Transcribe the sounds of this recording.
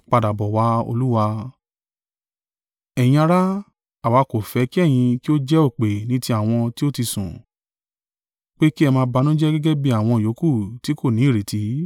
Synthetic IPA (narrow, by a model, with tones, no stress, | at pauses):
k͡pa˧da˨bɔ˨wa˧o̰˧lu˦wa˧ | ɛ˨j̃ĩ˧a˧ɾa˦ | a˨wa˨˧ko˨fɛ˨˧˦ki˦ɛ˦˨j̃ĩ˧ki˦o˦d͡ʒɛ˦o˦˨k͡pe˨nĩ˨˦ti˧˦a˦˨w̃ɔ̃˧ti˦o˦ti˧sṵ̃˨ | k͡pe˦ki˦ɛ˧mãː˧˦ba˧nũ˦d͡ʒɛ˦ɡɛ˦ɡɛ˦bi˦a˦˨w̃ɔ̃˧˨jo˨˦ku˦˨ti˨˦ko˦˨nĩ˨˦i˦˨ɾe˨ti˨˦